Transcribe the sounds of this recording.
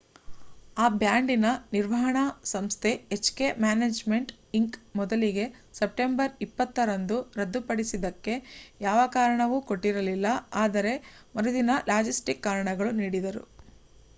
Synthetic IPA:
aːbjaːɳɖinɐniɾʋɐɦɐɳɐsɐmst̪ʰe̞ːt͡ʃkemjaːneːd͡ʒme̞ɳʈ | iŋkmɔd̪ɐliɡe̞sep̚ʈe̞mbɐɾipːɐt̪ːɐɾɐnd̪uɾɐd̪ːupɐɽisid̪ɐkːe̞jaːʋɐkaːɾɐɳɐʋuko̞ʈːiɾɐlilːɐaːd̪ɐɾe̞ | mɔɾud̪inɐlaːd͡ʒisʈikːaːɾɐɳɐɡɐɭuniːɽid̪ɐɾṵ

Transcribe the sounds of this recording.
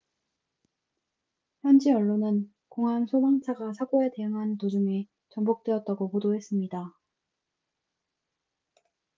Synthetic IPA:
hjʌnd͡ʑiʌɭːonɯn | koŋɦansʰobaŋt͡ɕʰaɡasʰaɡoe̞te̞ɦɯŋɦantod͡ʑuŋi | t͡ɕʌmbok̚t͈weʌt̚t͈aɡopodoɦe̞s͈ɯmɲida

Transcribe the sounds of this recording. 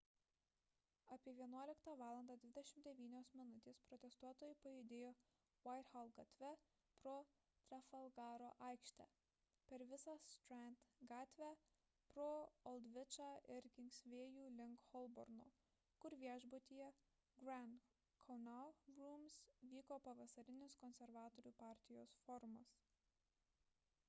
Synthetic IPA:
ɑpʲiɛʋʲiɛnuɔlʲɪkt̪ɑːʋɑːlˠɐnd̪ɑːd̪ʲʋʲɪd̪ʲɛʃʲɪmt̪d̪ʲɛʋʲiːnʲoːsmʲɪnʊt̪ʲeːspɾɔt̪ʲɛst̪uɔt̪oːjʊpɐjʊd̪ʲeːjoː | ʋɐɪt̪xɐlˠɡɐt̪ʲʋʲɛ | pɾoː | t̪ʲɾʲɐfɐlˠɡɑːɾoːʔɑˑɪkʃʲt̪ʲæ̰ː | pʲɛɾʋʲɪsɑːst̪ɾænt̪ɡɑːt̪ʲʋʲæ | pɾoːɔlˠd̪ʲʋʲɪt͡ʃɑːʔɪɾkʲɪŋʲksʲʋʲeːjuːlʲɪŋkxɔlˠbɔ̰ɾno̰ː | kʊɾʋʲiɛʒbot̪ʲiːjɛ | ɡɾɛn | kʰɔʊnɑʊɡɾuːmsʋʲiːkoːpɐʋɐsɐɾʲɪnʲɪskɔnʲsʲɛɾʋɑːt̪oːɾʲuːpɑːˑɾʲt̪ʲɪjoːsfɔɾmɐs

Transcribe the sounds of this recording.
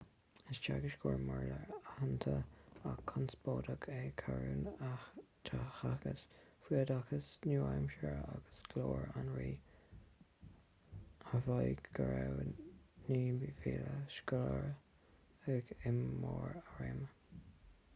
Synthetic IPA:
ɪst͡ʃaɡɪʃɡʰoːɹmɔɹləɹahant̪ʰəakʰːansb̥oːdəɡʰekʰaɹuːnat̪ʰaxakəsfiədakəsnuːajmʃəɹaɡ̥əsɡ̥loːɹanɹiː | əvɑjɡɡəɹɛwniːviːləʃkʊləɹ | ɛɡɪmːoːɹaɹem

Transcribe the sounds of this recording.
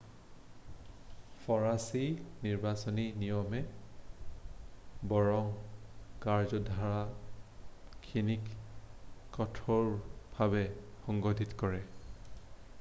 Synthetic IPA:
fʰɔɹasiniɹbasɔninijɔmɛ | bɔɹɔŋkaɹzɔdʱaɹa | kʰinik | kɔtʰɔɹbʱabɛxɔŋɡɔdʱitkɔɹɛ

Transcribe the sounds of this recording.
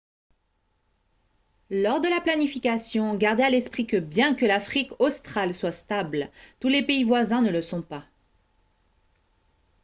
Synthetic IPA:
lɔʁd̪əlaplanifikasjɔ̃ɡaʁd̪ealɛspχikəbjɛ̃kəlafχikɔst̪χalswast̪ablt̪ulepeivwazɛ̃nələsɔ̃pa

